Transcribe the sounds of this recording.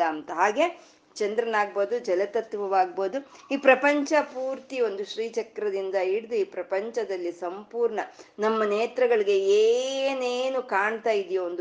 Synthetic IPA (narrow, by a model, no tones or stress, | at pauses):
ɐːnt̪ɐɦaːɡe̞ | t͡ʃɐnd̪ɾɐnaːɡ̚boːd̪ud͡ʒɛlɐt̪ɐt̪ːʋɐʋaːɡ̚boːd̪uiːpɾɐpɐɲt͡ʃɐpuːɾt̪io̞nd̪uʃɾiːt͡ʃɐkːɾɐd̪ind̪ɐiɽid̪uiːpɾɐpɐɲt͡ʃɐd̪ɐlːisɐmpuːɾɳɐnɐmːɐneːt̪ɾɐɡɐɭiɡe̞eːneːnukaːɳt̪aːjid̪ijɐond̪